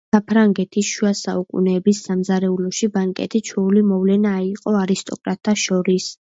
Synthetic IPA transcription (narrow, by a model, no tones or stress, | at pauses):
apʰɾaŋɡɛt̪ʰisʃuasaukʼṵnɛːbisːamzaɾɛulɔʃibaŋkʼɛ̰t̪ʰit͡ʃʰɛulimɔvlɛnaiqʼɔaɾist̪ʼɔ̰kʼɾat̪ʰːaʃɔɾis